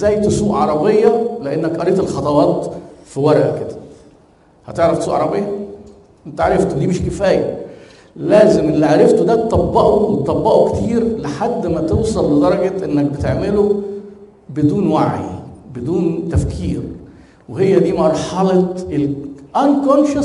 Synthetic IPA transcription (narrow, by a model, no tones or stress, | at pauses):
zæːjt̪sˤuːʔʕɑɾˤɑbejːɑleʔenːækʔɑɾˤeːt̪elxɑt̪ˤɑwɑːt̪fiwɑɾˤʔæ̰ked̪æ̥ | hæ̰t̪eʕɾɑftsˤuːʔɑʕɑ̰ɾˤɑbejːɑ | ʔent̪æʕaɾˤɑft̪od̪iːmeʃkefæːjæ̰ | læːzemʔelːiʕaɾˤeft̪od̪æt̪t̪ˤːɑbːɑʔowet̪t̪ˤːɑbːɑʔokt̪iːɾleħad̪ːmæt̪ewsˤɑlːed̪ɑɾˤɑɡɑʔenːæk̚bet̪eʕmelo | bed̪uːnwaʕḭbed̪uːnt̪æfkʰḭːɾ | weɦejːæd̪iːmɑɾˤħɑlɑt̪elʔænkonʃɑ